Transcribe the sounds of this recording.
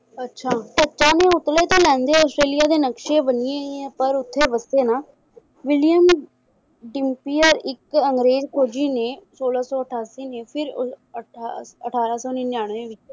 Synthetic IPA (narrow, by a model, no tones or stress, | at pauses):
ətːʃʰaːʈətːt͡ʃãːneːʊt̪leːt̪ãːlɛ̃ːnd̪eːɔːsʈɾeːlɪjaːd̪eːnəkʃẽːbənɪẽiɛ̃ːpəɾʊt̪ʰːeːʋəst̪eːnaː | ʋɪlɪjəm | ɖɪmpiːəɾɪkəŋɡɾeːd͡ʒkʰoːd͡ʒiːneːsoːlaːsɔːəʈʰaːsiːneːpʰɪɾ | əʈʰaːɾaːsɔːneːnɪjaːɳ̃ẽːʋɪt͡ʃ